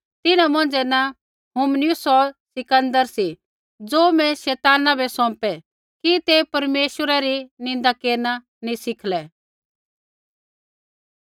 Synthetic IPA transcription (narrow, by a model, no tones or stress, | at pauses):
t̪ɪnãmɐ̃n̆d͡zɛna | ɦumnɪjʊsɔsɪkə̃nd̪əɾsi | d͡zoːmɛ̃ʃɛːt̪aːnabɛsɔ̃ːpɛ | kit̪epɐɾmeːʃəɾaɾinɪ̃nd̪akeːɾna | nĩsɪkʰlɛ